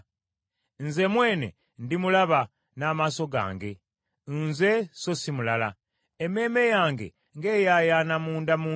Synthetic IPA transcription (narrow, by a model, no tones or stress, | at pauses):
nze̞mwe̞ːne̞̰ | ndimulaβa | naːmaso̞ɡa̰ːŋɡe̞̰ | nze̞so̞simulala | eme̞ːme̞jaːŋɡe̞̰ | ŋɡe̞ːjajanamuːndamuː